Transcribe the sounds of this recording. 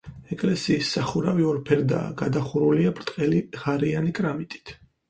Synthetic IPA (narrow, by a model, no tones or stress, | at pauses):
ɛkʼlɛsiːsːaχuɾaviɔɾpʰɛɾd̪a̰ːɡad̪aχuɾuliabɾt̪ʼqʼɛliʁaɾianikʼɾamit̪ʼi̥t̪ʰ